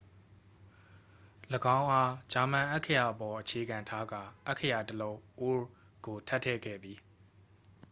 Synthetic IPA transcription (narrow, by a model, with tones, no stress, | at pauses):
ləɡã˦ʊ̃ʔa˦d͡ʑa˨mã˨ʔa˦kʰə˦ja˨ʔəpɔ˨ʔət͡ɕʰe˨ɡã˨ntʰa˦ɡa˨ʔa˦ʔkʰːə˦˨ja˨təlõ˦ʊ̃ʔo˦ | ɡ̥o˨tʰa˦ʔtʰːɛ̰˦˨ɡɛ̰˦˨d̪i˨